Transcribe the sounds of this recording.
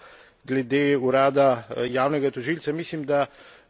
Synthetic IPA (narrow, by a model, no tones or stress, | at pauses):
ɡlɛd̪eːuɾaːd̪ajaːwnɛɡat̪ɔʒilt̪samiːslimd̪a